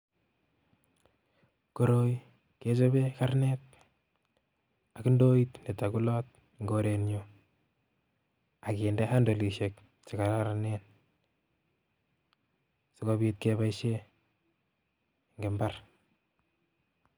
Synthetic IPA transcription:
ko˨ɾo˦j | ke˦t͡ʃo˦be˦ka˦rnet | a˨kindo˦itne˨ta˨ku˦lɔ˦t̚ | ŋɡo˨ɾe˨njo˨ | a˨ke˨nde˦ha˦ndo˨li˨ʃe˨k̚ | t͡ʃɪ˨ka˨ɾaɾane˦n | sɪkoβi˦t̚keβa˦iʃe˦ | ŋɡe˨mba˦r

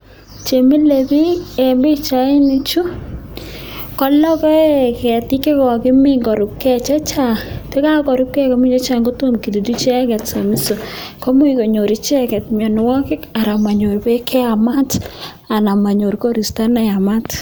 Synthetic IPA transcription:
t͡ʃe˨mi˦lebi˦e˨mbɪ˦t͡ʃa˨ɪ˦ni˦t͡ʃu˦ | kɔ˦lɔ˦kɔ˦kɛ˨ti˦ke˦kɔ˨kɪ˦mɪ˦ŋɡɔ˨ɾʊ˨p̚kɛ˦˨t͡ʃɛ˦t͡ʃa˦˨te˦ka˦kɔ˨ɾʊ˦p̚kɛ˦kɔ˦mi˦t͡ʃɛ˦t͡ʃa˦ŋɡo˦to˦mki˨di˨tu˦t͡ʃɛ˦kɛ˨tso˨mi˦so˨kɔ˦mu˦iko˨ɲo˨ɾi˦t͡ʃɛ˦kɛ˨tmɔ˨nwɔ˦kɪ˦ka˨ɾa˨ma˨ɲo˨ɾbe˦kʰɛ˦a˨ma˦t | a˨na˨ma˨ɲo˨ɾko˦ɾi˨sta˦na˨ja˨ma˦t

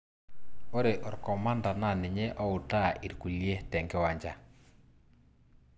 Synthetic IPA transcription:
o˦ɾe˨ʔo˨ɾkɔ˨ma˦nda˨na˨nɪ˨ɲɛ˦ʔɔ˦u˨ta˦ʔi˨ɾku˨lje˦tɛ˨ŋɡɛ˦wa˨ɲd͡ʒa˨

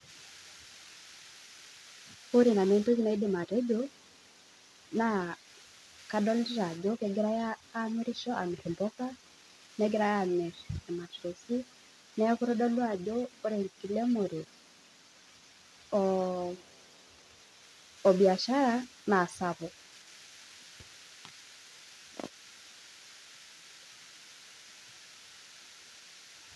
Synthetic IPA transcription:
o˦ɾi˨na˨ne˨˦ntu˦zi˦na˦i˦de˨ma˨ɾe˦d͡ʒo˦ | na˨ | ka˦dɔ˦lɾa˨d͡ʒo˦kɛ˨˦ɡɛ˦ɾa˦jaː˦me˦ɾi˦ʃɔ˦ʔa˨me˨ɾi˨mbɔ˦ka˦ | nɛ˦ɡe˦ɾa˦ja˦˨me˨ɾɛ˨ma˨ʃo˨si˦ | nɛ˦ku˦ɾɔ˦dɔ˦lwa˨d͡ʒoː˦ɾɛ˨ki˨lɛ˦mo˨ɾe˨ | bi˨a˨ʃa˦ɾa˦ | naː˨sa˨βɔ˨

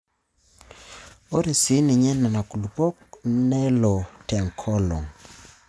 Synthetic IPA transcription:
o˦ɾe˨si˨˦nɪ˨ɲɛ˦na˨na˨ku˨lu˨pɔ˦k̚nɛ˦lɔ˨ta˨ŋkʰɔ˦lɔ̰˨ŋ

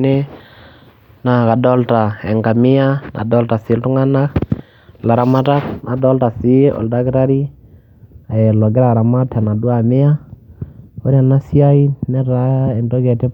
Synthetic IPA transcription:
ne˦ | na˨ka˨dɔ˦lta˨ɛ˨ŋɡa˨mɪ˦a˦na̰˨dɔ˦lta˨sɪ˨˦ltu˦ŋa˦na˦k | la˨ɾa˨ma˦ta˦knʔa˨dɔ˦lta˨si˦ɔ̰˨lda˦kɾa˦ɾi˦ | a˨ɛ˨lɔ˨ɡɛ˦ɾa˨ɾa˨ma˦tʰa˨na˨dwa˨mɪ˦a˦ | o˦ɾja˨na˦si˦a˦i˦nɛ˦ɾa˨˦ɛ˨ndɔ˦ɣɛ˨tɛ˦

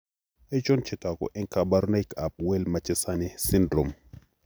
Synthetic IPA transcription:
ɛ˦t͡ʃo˦nt͡ʃɛ˨ta˨kɔ̰˨ʔɛ˦ŋka˨ba˦ɾna˦jka˨p̚wɛ˦lma˨t͡ʃɛ˦sa˦ni˦si˦ndɾo˨m

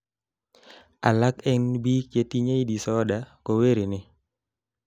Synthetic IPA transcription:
a̰˨la˦kɛ˦nbiː˦k̚t͡ʃe˦t̪iɲe˦jdi˨sɔdako˨we˦ɾi˨nɪ˨

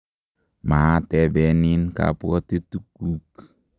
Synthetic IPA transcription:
ma˨a˦tɛ˨bɛ˨ni˦nka̰pu˦ɔ˦t̪e˦t̪u˦k̚u˦k

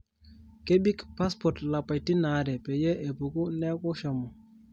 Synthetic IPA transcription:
ke˦bi˦kpa˦spɔ˨tla˨pa˨jti˦na˨˦ɾɛ˨pe˨jɛ˦ʔe˨pu˨ku˦nɛ˦kɔ˦ʃɔ˨mɔ˨

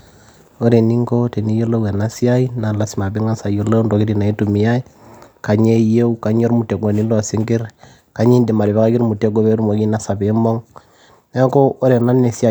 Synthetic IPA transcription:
o˦ɾe˨ni˦ŋko˦te˨ni˦jo˦lo˦we˨na˦si˦a˦i˦na˨la˦sɪ˨ma˨bɪ˦ŋa˦sa˨jo˨lo˦ndo˨ki˦di˨na˨i˦tu˨mi˨ja˦i˦ka˨ɲe˦je˦u˦ka˨ɲ˦o˦ɾmu˨te˨ɡo˨ni˦lo˨sɪ˦ŋɡɪ˦ɾ | ka˨˦ɲi˦ndi˨ma˨ɾɪ˨be˦ka˦kɪ˦ɾmu˨te˦ɡ̬o˦be˦ɾmo˨ki˦na˦sa˨be˨˦mo˦ŋ | ne˦ko˦o˦ɾe˨na˦ne˨si˦a˨

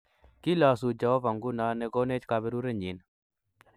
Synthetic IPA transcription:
ki˦la˨s̬u˨d͡ʒa˨ɔ˦va˨ŋɡu˦na˨˦nɛ˨ɡo˦ne˦t͡ʃka˧bɛ˦ɾu˦ɾe˦ɲi˨˦n

